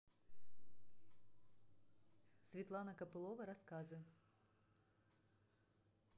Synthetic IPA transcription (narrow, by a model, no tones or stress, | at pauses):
sʲvʲɪt̪lˠanɐkɐpɨlˠɔvɐɾaskazɨ